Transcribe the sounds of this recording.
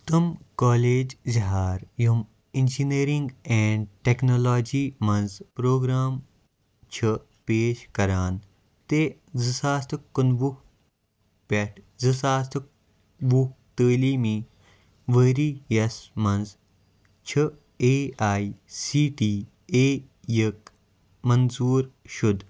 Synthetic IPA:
t̪ɨmkɔːleːd͡ʒziɦaːɾjum | ind͡ʒineːɾĩŋɡɛ̃ːɳɖʈeknoːlaːd͡ʒiːmɐnzpɾoːɡɾaːm | t͡ʃʰɐ | peːʃkɐɾaːn | t̪eː | zɨsaːst̪ʰkːɐnʋuk | pʲɐʈʰ | zɨsaːst̪ʰ | ʋukt̪əːliːmĩː | ʋəɾiːjɐsmɐnz | t͡ʃʰɐ | eːaːisiːʈiː | eː | jək | mɐnzuːɾʃud̪

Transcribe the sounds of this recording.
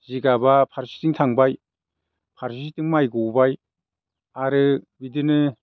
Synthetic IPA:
ziɡabapʰaɾsi̥tɯŋtʰaŋbaj | pʰaɾsisitɯŋmajɡuwbaj | aɾɯbidɯnɯ

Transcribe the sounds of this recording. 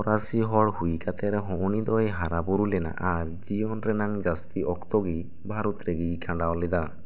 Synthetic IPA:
ɔɾasiɦɔɽhujkʰat̪ʰɛɾɛɦɔʔunid̪ɔjɦaɾabuɾulɛna̰ʔaɾd͡ʒijɔnɾɛnaŋd͡ʒast̪iɔkt̪ɔɡi | bʱaɾut̪ɾeɡijkʰaɳɖawlid̪a

